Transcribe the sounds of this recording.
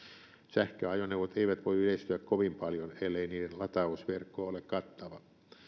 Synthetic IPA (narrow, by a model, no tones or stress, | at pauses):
sæhkøɑjoneuʋot̪eiʋæt̪ʋoiyleist̪yækkoʋimpɑljonelːeiniːdellɑt̪ɑusʋerkːoːolekkɑt̪ːɑʋɑ